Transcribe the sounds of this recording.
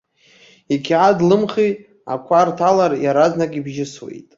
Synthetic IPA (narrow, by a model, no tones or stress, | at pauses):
ikʲʰadlɨmχitʼ | a̰kʷʰartʰalarjaɾaznakʲʼibʒɪswḛjtʼ